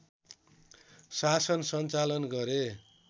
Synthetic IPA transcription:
sasʌnsʌnt͡salʌnɡʌɾe

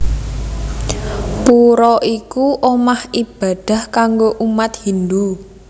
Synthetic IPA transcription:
puɾɔʔikuʔomahib̥a̤ɖ̪̥a̤hkaŋɡoʔumat̪hind̪u

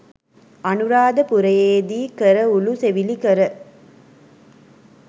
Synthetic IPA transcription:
ɐnɯɾaːd̪ɐpʊɾɐjeːd̪ikɐɾɐʊluseʋilikɐɾɐ

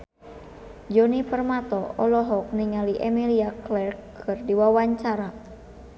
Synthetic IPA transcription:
d͡ʒɔnipərmat̪ɔɔlɔɦɔk̚niŋaliʔemiliaklɛrkː | ɨrdiwawaɲt͡ʃaɾa

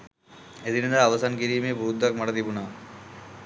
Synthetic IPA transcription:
ed̪inɐnd̪aːʋɐsaːnkiɾijmebuːd̪aːk̚mɐɽɐd̪ibuna

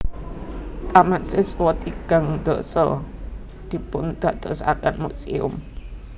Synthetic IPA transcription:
t̪ʼamansɪswɔt̪iɡ̥aŋd̪ɔsə | d̪̥ipʊnd̪aʔd̪əsakan̚muʔsiʊ̰m

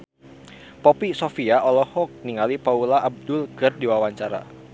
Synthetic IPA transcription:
pɔpisofiaʔɔlɔhɔk̚niŋalipaulaʔab̚dʊlɡərdiwawaɲt͡ʃaɾa̰

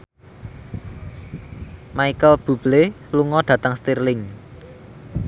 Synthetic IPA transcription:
maikəlb̥ṳb̥le | luŋɔɖ̥ä̤t̪aŋst̪irlɪŋ

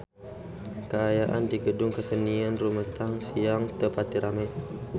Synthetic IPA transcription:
kəajaʔa̰ndiɡədʊŋkəsəniənrumət̪aŋsiaŋt̪əpat̪iɾʔama

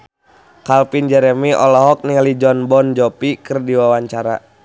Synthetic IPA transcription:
kalpind͡ʒɛɾɛmiʔɔ̰lɔɦɔk̚niŋalid͡ʒɔnbɔnd͡ʒɔpikɨrdiwawaɲt͡ʃaɾa̰

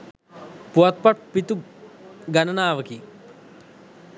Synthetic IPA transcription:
puɐt̪̚pɐʈpit̪u | ɡɐnɐnaːʋɐki

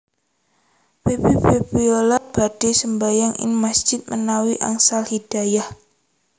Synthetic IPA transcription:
pebebebiolaʔ̚b̥ad̥esəmbajaŋɪ̰nmasd͡ʒ̥ɪt̪̚mənawiʔa̰ŋsalhid̥ajah

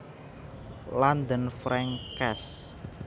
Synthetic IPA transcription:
land̪ənfɾɛŋkɛs

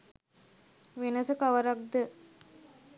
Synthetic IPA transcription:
ʋenəsəkaʋəɾak̚d̪ə

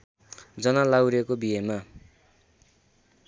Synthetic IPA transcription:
d͡zʌnalawɾekobiɦema

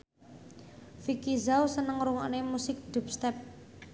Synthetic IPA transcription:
fikizawsənəŋɾuŋa̰nemusɪk̚d̪̥ṳp̚st̪ɛp̚

